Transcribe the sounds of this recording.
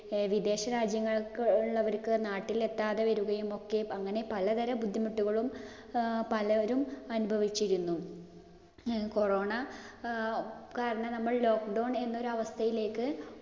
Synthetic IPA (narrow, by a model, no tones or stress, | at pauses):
ʋid̪e̞ːɕɐɾaːd͡ʑjɐŋːɐɭɭːɐʋɐɾkɨnaːʈːile̞t̪ːaːðeʋɐɾuɣɐjumo̞kːe̞ɐŋːɐne̞pɐlɐt̪ɐɾɐbud̪ʱːimuʈːuɣɐɭum | pɐlɐʋɐɾumɐnubʱɐʋit͡ɕːiɾunːu | ko̞ro̞ːɳɐ | kaːɾɐɳɐnɐmːɐɭlo̞ːkɖowɳe̞nːo̞ɾuɐʋɐst̪ʰɐjile̞ːkːɨ